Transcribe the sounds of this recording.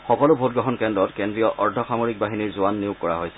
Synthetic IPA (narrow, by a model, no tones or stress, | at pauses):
xɔkɔlʊbʱotɡɹɔɦɔnkɛndɹɔtkendɹijɔʔʔɔɹdʱɔxamoɹik̚baɦiniɹzʊanːijʊkːɔɹaɦojsɛ